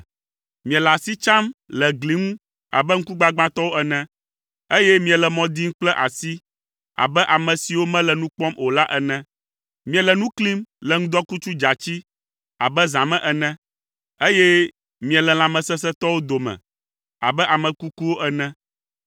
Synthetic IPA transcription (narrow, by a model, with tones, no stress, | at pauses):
mĩ˨ɛ̃˨lɛ˨a˨si˦t͡ʃã˦mlɛ˨ɡli˨˦ŋũ˦ | a̰˨bɛ˦ŋ̩˦ku˦ɡ͡ba˦ɡ͡bã˦t̪ɔ˦wo˦ɛ˦nɛ̃˦ | e˦jɛ˦mĩ˦ɛ̃˨lɛ˨mɔ̃˨d̪i˦ŋ̩˦k͡plɛ˦ʔa˨si˦ | a̰˨bɛ˦ʔa˨mɛ̃˨si˨wo˦mɛ̃˦lɛ˨nũ˦k͡pɔ̃˦mo˨la˦ʔɛ˨nɛ̃˦ | mĩ˦ɛ̃˨lɛ˨nũ˦kli˦mlɛ˨ŋũ˦d̪ɔ˦ku˦t͡ʃu˦d͡ʒa˨t͡ɕi˦ | a̰˨bɛ˦zã˨mɛ̃˦ʔɛ˨nɛ̃˦ | e˦jɛ˦ | mĩ˨ɛ˨lɛ˨l̃ã˨mɛ̃˨sɛ˦s̬ɛ˦t̪ɔ˦wo˦d̪o˨mɛ̰̃˨ | a̰˨bɛ˦ʔa˨mɛ̃˨ku˦ku˦wo˦ʔɛ˦nɛ̃˦